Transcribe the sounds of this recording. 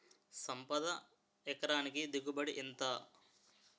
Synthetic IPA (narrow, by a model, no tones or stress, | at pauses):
sɐmpɐd̪ɐ | ɛkɐɾaːnikid̪iɡubɐɽiʔint̪aː